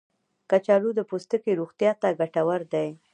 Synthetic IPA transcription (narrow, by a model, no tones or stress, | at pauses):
kat͡ʃɑlud̪əpost̪əkeɾuɣt̪jɑt̪aɡaʈawaɾd̪aj